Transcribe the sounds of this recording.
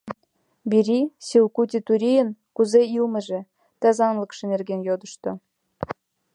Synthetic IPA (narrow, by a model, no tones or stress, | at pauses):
biɾʲisilkut̪ʲit̪uɾʲijə̆nkuzeilmə̆ʒĕ | t̪ɑzɑnlə̆kʃĕnerɣenjod̪ə̆ʃt̪o